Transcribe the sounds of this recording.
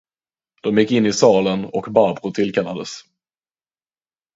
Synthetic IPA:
d̪̥ɔmjɪkːɪnːɪsɑːlənɔkbabɾʊt̪ʰɪlkʰalːad̪əs

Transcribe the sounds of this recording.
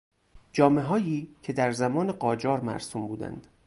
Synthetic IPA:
d͡ʒɒːme̞ɦɒːjiːcʰe̞d̪æɾzæmɒːne̞ɢɒːd͡ʒɒːɾmæ̰ɾsuːmbuːd̪æ̰nd̪̥

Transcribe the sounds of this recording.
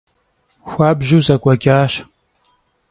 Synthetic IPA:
xʷaːbʒuzɐkʷʼɐkʲaːʃ

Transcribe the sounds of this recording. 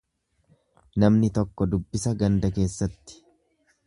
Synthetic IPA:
nɐmnɪt̪ɔkːɔd̪ʊbːɪsɐɡɐnd̪ɐk̬e̞ːsːɐt̪ːɪ̥

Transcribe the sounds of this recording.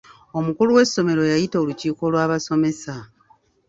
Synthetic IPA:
o̞mukuluwe̞sːo̞me̞ɾo̞jajitoːluciːko̞lwaːβaso̞me̞sa

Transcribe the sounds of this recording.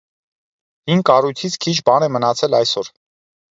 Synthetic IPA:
hiŋkɑrujt̪ʰit͡sʰkʰit͡ʃʰbɑnɛmənɑt͡sʰɛlɑjsɔɾ

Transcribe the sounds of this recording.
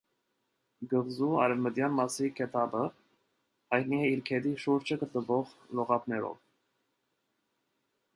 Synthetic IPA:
ɡəʁzuɑ̰ɾɛvməd̪jɑnmɑsikʰɛt̪ʰɑbə | hɑjt̪̚niɛiɾkʰɛd̪iʃuɾt͡ʃʰəɡət̪nəvɔʁlɔʁɑpnɛɾɔ̰v

